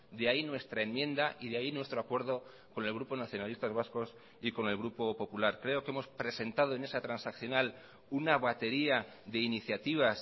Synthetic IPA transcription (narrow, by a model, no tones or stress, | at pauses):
d̪eainwe̞st̪ɾae̞mmjẽ̞nd̪aʔiðeainwe̞st̪ɾoakwe̞ɾð̞o̞ | ko̞ne̞lɣ̞ɾupo̞naθjo̞nalist̪azβ̞asko̞s | iko̞ne̞lɣ̞ɾupo̞po̞pulaɾkɾe̞o̞ke̞mo̞spɾe̞se̞nt̪að̞oene̞sat̪ɾansakθjo̞nal | unaβat̪e̞ɾia | ðe̞iniθjat̪iβ̞as